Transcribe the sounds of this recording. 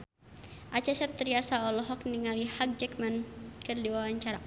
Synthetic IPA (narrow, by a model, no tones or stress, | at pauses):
ʔat͡ʃɛsɛp̚t̪ɾiasaɔlɔɦɔk̚niŋalihak̚d͡ʒɛkmankɨrdiwawaɲt͡ʃaɾa